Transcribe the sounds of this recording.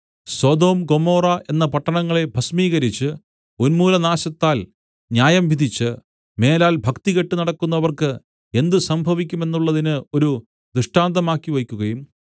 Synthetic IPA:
swɐd̪o̞ːmɡo̞mo̞ːrɐʔe̞nːɐpɐʈːɐɳɐŋːɐɭe̞bʱɐsmiːɣɐɾit͡ɕːɨ | onmuːlɐnaːɕɐt̪ːaːl | njaːjɐmʋid̪ʱit͡ɕːɨ | me̞ːlaːlbʱɐkt̪iɣe̞ʈːunɐɽɐkːunːɐʋɐrkɨ | e̞nd̪ɨsɐmbʱɐʋikʲːume̞nːuɭːɐðinɨo̞ɾu | d̪ɨʂʈaːnd̪ɐmaːkːiʋɐjkʲːuɣɐjum

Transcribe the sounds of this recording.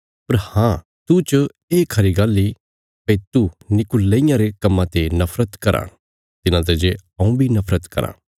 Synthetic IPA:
pɐɾhãː | t̪ut͡ʃ | eːkʰɐɾiɡaːlːi | pɐit̪unɪkʊlːeijãɾekɐmːãt̪enɐpʰɾət̪kɐɾʔã̰ː | t̪ɪnãt̪̬ed͡ʒeɐũbʱinɐpʰɾət̪kɐ̰ɾã̰ː

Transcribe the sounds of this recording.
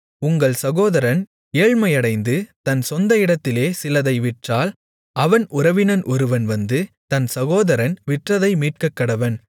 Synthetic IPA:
ʊŋɡɐɭsɐɣoːðɐɾɐn | eːɻmɐɪjɐɽɐɪnd̪ɯt̪ɐnsɔnd̪ɐɪɽɐt̪ːɪleːsɪlɐðɐɪʋɪʈraːl | ɐʋɐnʔʊɾɐʋɪnɐnʔɔɾɯʋɐnʋɐnd̪ɯt̪ɐnsɐɣoːðɐɾɐnʋɪʈrɐðɐɪmiːʈ̚kɐkːɐɽɐʋɐn

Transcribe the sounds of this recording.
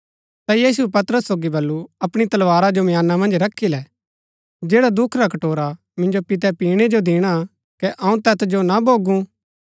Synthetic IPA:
t̪ajiːs̬uɛpɐt̪ɾəsːoːɡibɐlːuɐpɽ̃it̪ɐlʋaːɾad͡ʒomjaːnːamɐ̃nd͡ʒɾɐkʰːilɛ | d͡ʒeːɽad̪ʊkʰɾakɐʈoːɾa | mɪ̃nd͡ʒopɪt̪̬ɛpiːɽ̃ed͡ʒod̪ɪɽ̃a | kɛʔɐ̃ũt̪ɛt̪ʰd͡ʒonaboːɡũ

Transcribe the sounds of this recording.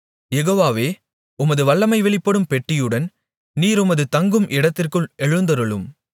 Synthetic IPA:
jɛɣoːʋaːʋeː | ʊmɐðɯʋɐɭːɐmɐɪʋɛɭɪpːɐɽɯmpɛʈːɪjɯɽɐn | niːɾʊmɐðɯt̪ɐŋɡɯmʔɪɽɐt̪ːɪrkɯɭɛɻɯnd̪ɐɾɯɭɯm

